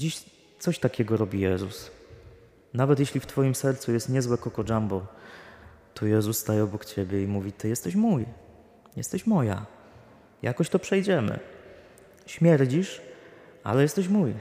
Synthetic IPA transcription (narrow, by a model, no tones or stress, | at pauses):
d͡ʑiɕ | t̪sɔɕt̪akʲɛɡɔɾɔbʲijɛzṵs | navɛt̪jɛɕlʲift̪fɔjimsɛɾt̪sujɛst̪ɲɛzwɛkɔkɔd͡ʐanbɔ | t̪ʰɔjɛzussːt̪ajɛɔbɔkt͡ɕɛbʲjɛimuvʲit̪ɘjɛst̪ɛɕmuj | jɛ̰st̪ɛɕmɔja̰ | jakɔɕt̪ɔpʂɛjd͡ʑɛmɘ̰ | ɕmʲjɛɾd͡ʑiʂʔa̰lɛjɛst̪ɛɕmuj